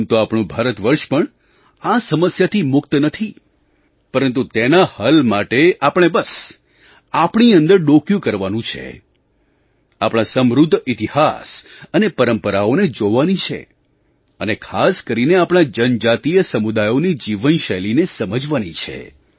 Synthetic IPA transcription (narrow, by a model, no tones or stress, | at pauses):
t̪oapɳ̃ũbʱaɾət̪ʋəɾʃpəɳ | asəməsjat̪ʰimʊk̚t̪nət̪ʰi | pəɾə̃nt̪̬ut̪enahəlmaʈeʔapəɽ̃ebəs | apɳiənd̪əɾɖokjũkəɾʋanũt͡ʃʰḛ | apɽ̃asəmɾud̪ʱːɪt̪ihasənepəɾəmpəɾaoned͡ʒoʋanit͡ʃʰḛ | ənekʰaskəɾineapɽ̃ad͡ʒənd͡ʒat̪ijəsəmud̪ajonid͡ʒiʋənʃəjlinesəməd͡ʒʋanit͡ʃʰḛ